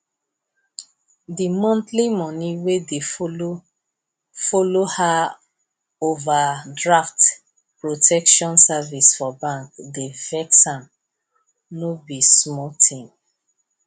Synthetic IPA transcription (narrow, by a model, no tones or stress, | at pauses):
dimɔ̃ntlimɔ̃niwede | foloha | ovadɹaft | pɹotʰɛkʃɔ̃nsavisfɔbãŋkdevɛksãm | nobismɔtʰĩm